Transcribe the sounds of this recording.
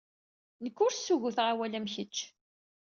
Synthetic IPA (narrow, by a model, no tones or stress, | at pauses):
nəkːʊɾsːuʝʊθʁawælæmçət͡ʃː